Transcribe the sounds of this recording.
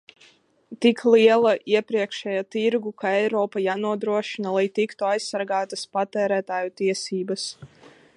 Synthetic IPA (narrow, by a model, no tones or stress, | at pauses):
t̪ikʰlˠiɛlˠaʔiɛpɾiɛkʃɛːjat̪iɾɡukaɛjɾɔːpajaːnuɔd̪ɾuɔʃinalˠajt̪ikt̪uajsːaɾɡaːt̪aspat̪ɛːɾæːt̪aːjut̪iɛsiːbas